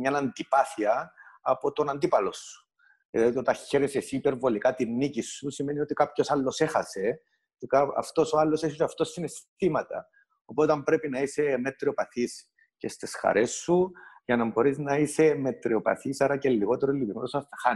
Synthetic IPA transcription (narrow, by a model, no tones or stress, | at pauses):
ɲɐnɐnd̪ipɐθiɐːpo̞t̪o̞nɐnd̪ipɐlo̞sːu̥ | eðit̪ot̪ɐçe̞ɾesesipe̞ɾvo̞likɐt̪inːicisːusime̞niot̪ikapço̞sɐlːo̞se̞xɐse̞ | cekɐ̰ft̪o̞soɐlːoseçosɐft̪o̞sːinest̪imɐt̪ɐ̰ | opot̪ɐmbɾe̞pinɐise̞me̞t̪ɾio̞pɐθis | ce̞st̪isxɐ̰ɾʔe̞sːuʝɐnɐmbo̞ɾiznɐise̞me̞t̪ɾio̞pɐ̰θisɐɾɐcelːiɣo̞t̪eɾolːipimot̪osɐstɐxan